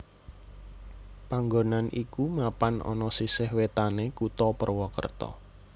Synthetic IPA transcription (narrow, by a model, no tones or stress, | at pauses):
paŋɡonanʔikumapanɔ̰nɔsisɪhwet̪anekut̪ɔpərwɔkə̰rt̪ɔ̰